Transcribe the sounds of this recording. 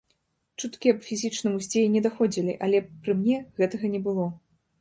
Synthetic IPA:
t͡ʂut̪kʲiɐpfʲizʲit͡ʂnɨmusʲt͡sʲɛlʲinʲɛd̪axɔd͡zʲilʲḭʔalʲɛpɾɨmnʲɛɣɛt̪ɐɣɐnʲɛbɨlˠɔ

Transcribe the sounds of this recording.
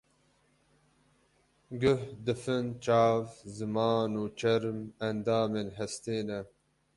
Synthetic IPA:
ɡɨhd̪ɨfɨnt͡ʃaːvzɨmɑːnut͡ʃɐɾmɐnd̪aːmenɦɐst̪eːnɐ

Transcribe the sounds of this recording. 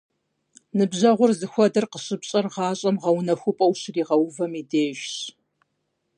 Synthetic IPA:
nɨbʑɐʁʷʊrzɨxʷɔdɐrqəɕʼɨpɕʼɐrʁɑːɕʼɐmʁɐwnɐxʷʊpʼɐwɕriːʁɐwvɐmideːʒɕ

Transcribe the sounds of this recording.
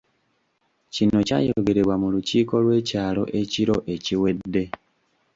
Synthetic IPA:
cino̞ca̰ːjooɡe̞ɾeβwamuluciːko̞lwe̞ːcaːlo̞̰ʔe̞ciɾo̞ʔe̞ciwe̞dːe̞

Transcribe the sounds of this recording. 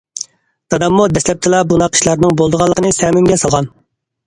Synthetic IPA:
t̪ʰɑd̪ɑmːud̪ɛslɛp̚t̪ʰɪlˠɑbunɑqʰə̥ʃlˠɑɾnɨŋbolˠd̪əʁɑlˠːəqʰənɨsɛmymɡʲɛsɑlˠʁɑn

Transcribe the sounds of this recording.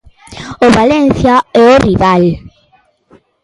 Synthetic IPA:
oβalenθjaɛoriβal

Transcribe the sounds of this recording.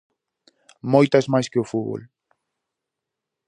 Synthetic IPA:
mojt̪ɐzmajskɪʊfuβo̰l

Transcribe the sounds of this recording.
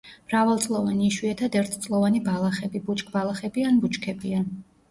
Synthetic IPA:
mɾavalˠt̪sʼlˠɔvaniːʃwiɛt̪ʰad̪ɛɾt̪ʰt̪sʼlˠɔvanibalˠaχɛbibut͡ʃʼkʰʼbalˠaχɛbianbut͡ʃkʰɛbian

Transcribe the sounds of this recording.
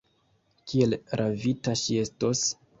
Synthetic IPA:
kʰie̞lɾʔavitaʃie̞stos

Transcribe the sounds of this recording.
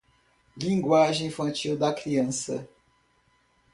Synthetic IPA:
lĩŋɡwaʒẽj̃ĩfɐ̃nt͡ʃiwd̪ɐkɾiɐ̃sɐ̰

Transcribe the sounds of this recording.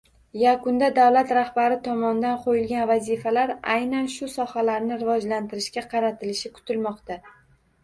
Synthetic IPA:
jakʰʊnd̪ad̪awlat̪ɾahbaɾɪt̪ʰɒmɒnd̪anqʰojɪlɡʲanvazɪfalaɾajnanʃʊsɒhalaɾnɪɾɪvɒd͡ʒlant̪ʰɪɾɪʃkʲaqʰɑɾat̪ʰɪlɪʃɪkʰʊ̥t̪ʰɪlmɒqt̪a

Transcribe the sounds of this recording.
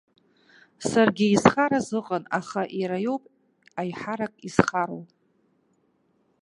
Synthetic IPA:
sarɡʲɪizχaɾazɨqʼənaχaʔjɾajo̞wpʼ | ajħaɾakʼiz̥χaɾo̰w

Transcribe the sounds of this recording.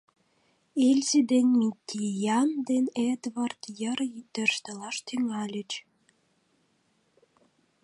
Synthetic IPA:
elʲzid̪enʲmʲit̪ʲʰːijɑnd̪ened̪βɑrt̪jərd̪ø̆ʃt̪ə̆lɑʃt̪yŋɑlʲə̆t͡ɕ

